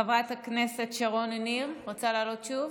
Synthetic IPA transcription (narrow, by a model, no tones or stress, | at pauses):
avʁat̪haknese̞t̪ʃaʁononimʁot͡salaːlo̞t̪ʃuv